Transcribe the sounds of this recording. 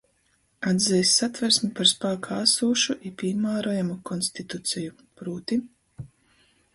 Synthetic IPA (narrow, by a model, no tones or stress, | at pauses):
ad̪zɛjsːat̪væɾsmipaɾspaːkʰaasuːʃuʔipiːmaːɾɔjamukɔnsʲt̪it̪ut̪siju | pɾuːt̪i